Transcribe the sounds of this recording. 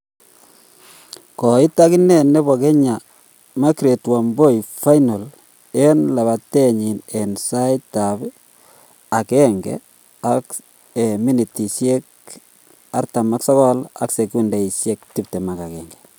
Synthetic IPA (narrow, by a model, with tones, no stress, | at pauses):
kɔ˨ɪ˦ta˦ki˦nɛ˦ne˦bo˨kɛ˦ɲa˨ | ma˦kɾe˨twa˨mbo˦jfa˦jno˨l | e˦nla˨βa˨te˦ɲi˨ne˨nsa˦ita˨b | a˨kɛ˦ŋɡɛ̰ | a˨k | e˨mi˦ni˨ti˨sje˦k̚ | a˦ɾta˨ma˦ksɔ˦kɔ˦la̰˦kse˨ku˦nda˨i˨sje˦k̚ti˦p̚te˨ma˨ka˨kɛ˨ŋɡɛ̥